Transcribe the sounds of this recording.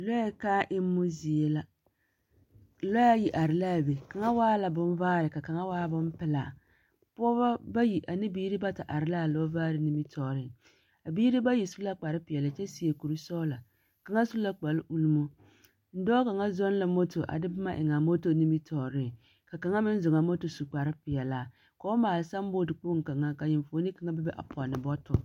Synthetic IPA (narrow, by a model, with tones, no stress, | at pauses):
lo˦ja˦kaː˦ʔɪ˦mː˦ʊ˦zi˨e˨la˦˨ | lo˦a˦ji˨ʔa˨ɾɪ˨la˦˨be˨ka˨ŋa˦waː˦la˨bʊ˦n˦vaː˦ɾɪ˨ka˨ka˨ŋa˦waː˦bʊ˦mpɪ˦la˨ | pɔ˦ba˦ba˦ji˨ʔa˨nɪ˦biː˦ɾi˦ba˦ta˨ʔa˨ɾɪ˦la˦˨lɔ˦vaː˦ɾɪ˨ni˦mi˦tʰɔ˨ɾɪ˦˨ | a˨biː˦ɾi˦ba˦ji˨su˦la˦k͡pa˨ɾɪ˦pɪ˨ɛ˨la˨t͡ʃɛ˦si˨e˨ku˨ɾu˦sɔː˦la˨ | ka˨ŋa˦su˦la˦k͡pa˨lʔu˦lu˦mo˦ | n̩˦dɔː˦ka˨ŋa˦zɔ˦n˦la˨mo˦to˨ʔa̰˨dɪ˦bɨ˦ma˦ʔɪ̰˨ŋa˨mo˦to˦ni˦mi˦tʰɔː˨ɾɪ˦ | ka˨ka˨ŋa˦mɪ˦n̩˦zʊ˨ŋa˨mo˦to˨su˨k͡pa˨ɾɪ˦pɪ˨jɛ˨la˨ | kɔ˨˦maː˨lɪ˨sa˦m˦bo˦dɪ˨k͡po˦ŋ˨ka˨ŋa˦ka˨jɪ˨mfo˨˦ni˦ka˨ŋa˦bɛ˦bɛ˦ʔa̰˨pʰɔ˨nɪ˨bɔ˦tʊ˨